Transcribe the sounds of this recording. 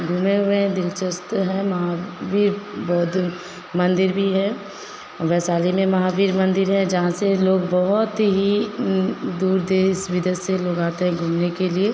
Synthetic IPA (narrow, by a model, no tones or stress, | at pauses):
ɡʱuːmeɦʊeɦɛ̃d̪ɪlt͡ʃəst̪ɦɛ̃mɐɦaʋiːɾbɔːt̪ | mɐ̃nd̪ɪɾbʱiɦɛ | ɔːɾʋɛːsaːlimẽmɐɦaːʋiːɾmɐ̃nd̪ɪɾɦɛ̃d͡ʒɐɦãseloːɡ̚bɔɦʊt̪ɦi | d̪uːɾd̪eːɪsʋɪd̪əseloːɡaːt̪eɦɛ̃ɡʱuːmnekelie